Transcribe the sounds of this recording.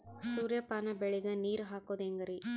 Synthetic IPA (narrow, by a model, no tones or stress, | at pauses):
suːɾjɐpaːnɐbeɭiɡɐniːɾɦaːkoːd̪eŋɡɐɾi